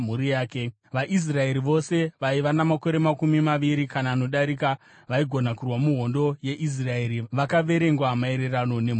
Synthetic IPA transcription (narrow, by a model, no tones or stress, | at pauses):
m̤uɾijaːke | ʋaʔis̬rae̞ɾiʋo̞se̞ʋaiʋanamako̞ɾe̞makumimaʋiɾikanaːno̞ɗaɾika | ʋaiɡʱo̞nakurwamuɦo̞ndo̞je̞ʔis̬rae̞ɾiʋakaʋe̞ɾe̞ŋɡwamae̞ɾe̞rano̞ne̞m